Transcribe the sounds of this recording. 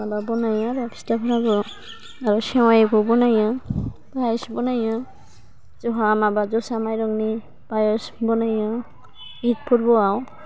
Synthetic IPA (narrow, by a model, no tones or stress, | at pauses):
ababɔnajɔ̃bapʰi̥stapʰɔɾabɔ | aɾusɛw̃ajɛkɔbɔnajɔbajsbɔnajɔ | z̥ɔɦamabazɔsamajɾɔŋni | bajɔsbɔnajɔ | it̚pʰuɾbɔaw